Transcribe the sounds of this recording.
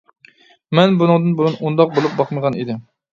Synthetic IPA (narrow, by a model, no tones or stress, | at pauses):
mɛnbunɨŋd̪ɨnbulˠɨnund̪ɑq̚bolˠup̚bɑqməʁɑnid̪ɪm